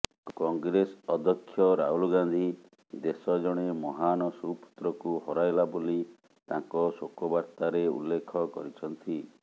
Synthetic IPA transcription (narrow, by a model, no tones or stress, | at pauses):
kɔŋɡɾesɔd̪ʱɔkʰːjɔɾaɦulɔɡand̪ʱi | d̪esɔd͡ʒɔɽ̃emɔɦanɔsupu̥t̪ɾɔkuɦɔɾajlaboli | t̪ãŋkɔsokɔbaɾt̪aɾeṵlːekʰɔkɔ̰ɾit͡ʃʰɔnt̪i